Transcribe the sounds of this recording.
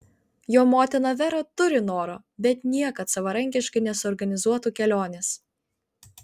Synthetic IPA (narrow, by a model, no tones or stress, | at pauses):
joːmoːt̪ʲɪnoʋʲɛɾoːt̪ʊɾʲɪnoːɾoː | bʲɛt̪nʲiɛkɐt̪sɐʋɐɾɐŋʲkʲɪʃkɐɪnʲɛsʊːɾɡɐnʲɪzuɔt̪uːkʲɛlʲoːnʲes